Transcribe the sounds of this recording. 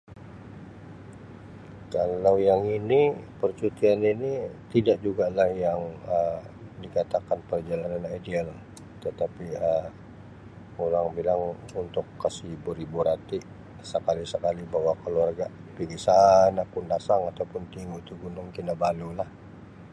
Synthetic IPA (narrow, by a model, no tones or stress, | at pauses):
kalawjaŋinipərt͡ʃut̪ianinit̪idaʔ̚d͡ʒuɡalahjaŋədikat̪akanpərd͡ʒalananadial | t̪ət̪apiəm | oɾaŋbilaŋ | unt̪ʊkːasibuɾibuɾat̪iʔ | səkalisəkalibawakəluarɡaʔ | piɡisanakundasaŋat̪awpʊnt̪iŋuit̪uɡunʊŋkinabalulah